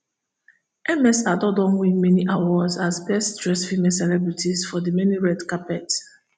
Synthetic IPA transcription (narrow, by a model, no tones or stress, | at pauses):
ɛmɛsadɔdɔ̃nwinmɛniʔawɔzazbɛsdɹɛsfimɛselɛbɹitʰizfɔdimɛniɹɛdkapɛt